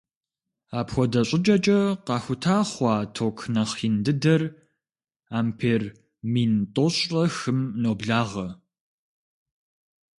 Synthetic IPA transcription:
aːpxʷɔdɐɕʼɪt͡ʃʼɐt͡ʃʼɐqɑːxʷʊtʰaːχʷɑːtʰoːkʰnɐχiːndɨdɐr | aːmpʰeːr | miːntʼoɕʼɐxɨmnoːbɮaːʁɐ

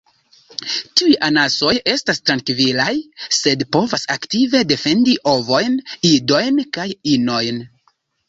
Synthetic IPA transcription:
tiujʔanaso̞je̞stastɾankvilajse̞dpo̞vasaktive̞de̞fe̞ndiʔo̞vo̞jnido̞jnkajino̞jn

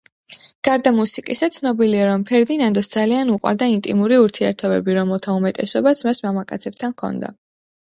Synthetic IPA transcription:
ɡ̥aɾd̪amusikʼisat̪sʰnɔbiliaɾɔmpʰɛɾd̪inand̪ɔsd̪zalianuqʼwa̰ɾd̪aint̪ʼḭmuɾiuɾt̪ʰiɛ̰ɾt̪ʰɔbɛ̰biɾɔmɛlˠt̪ʰaumɛt̪ʼɛsɔbat̪sʰmasmamakʼat̪sʰɛb̚t̪ʰankʰɔ̰nd̪a̰

